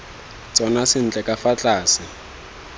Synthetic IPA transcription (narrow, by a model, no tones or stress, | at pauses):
t͡sʼɔnasɪn̩t͡ɬʼɛkʼafat͡ɬʼaːsɪ